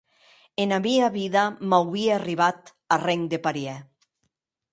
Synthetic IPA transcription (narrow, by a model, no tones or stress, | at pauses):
enaβiaβiðamawβieariβat̪ | areŋd̪epaɾiɛ